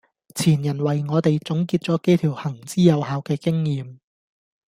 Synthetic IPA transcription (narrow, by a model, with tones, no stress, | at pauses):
t͡sʰiː˨˩njɐ˨˩nwɐ˨˩jŋɔː˨˧t̪e˨jt͡sʊ˨˥ŋkiː˧t̚t͡sɔː˨˥ke˥jt̪ʰiː˨˩whɐ˨˩ŋt͡siː˥jɐ˨˧whaː˨˧wkɛː˧kɪ˥ŋjiː˨˧m